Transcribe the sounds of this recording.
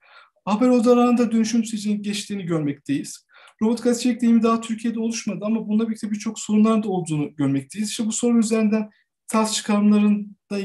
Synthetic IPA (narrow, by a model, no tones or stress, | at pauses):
habæɾo̞d̪alˠaːɯnd̪ad̪ønyʃymsed͡ʒejinɟɛt͡ʃt̪ʰiːniɟøɾmɛc̚t̪ʰe̞jiz̥ | ɾo̞bot̪kʰazit͡ʃɛc̚d̪ejimid̪aɦːt̪ʰyɾcʰijed̪ɛo̞lˠuʃmad̪ɯamabunˠabilʲt̪ʰɛbiɾt͡ʃʰo̞kso̞ɾunlˠaɾɯnd̪a̞lˠd̪uːnuɟøɾmɛc̚t̪ʰe̞jizi̥ʃt̪ɛbuso̞ɾuyze̞ɾind̪æn | t̪ʰaɾst͡ʃʰɯ̥kʰaɾɯmlˠaɾɯnd̪̥a